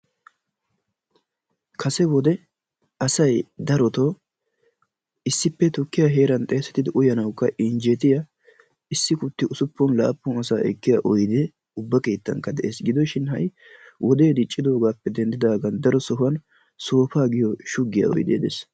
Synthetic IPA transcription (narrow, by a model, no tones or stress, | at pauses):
kʰɐsɛwɔd̪ɛ | ʔɐsɐjd̪ɐɾɔt̪oː | ɪsːɪpːɛt̪ʊkːɪjaɦe̞ːɾɐnt̪ʼeːsɛ̥t̪ːɪd̪ɪʔʊjɐnɐwkːɐʔɪnd͡ʒet̪ɪjɐ | ɪsːɪkʊt̪ːɪʔʊsʊpːɔnla̰ːpːʊnɐsaːʔɛ̰kːɪjɐʔɔjd̪ɛ | ʊbːɐke̞ːt̪ːɐ̰ŋkːɐd̪ɛʔeːsɡɪd̪ɔʃɪnhɐ̰j | wʔɔd̪e̞ːd̪ɪt͡ʃʼːɪd̪o̞ːɡaːpːɛd̪ɛnd̪ɪd̪aːɡɐnd̪ɐɾɔsɔɦʊɐn | soːfaːɡɪjɔʃʊɡːɪjɐ̰ɔ̰jd̪ḛːd̪ḛs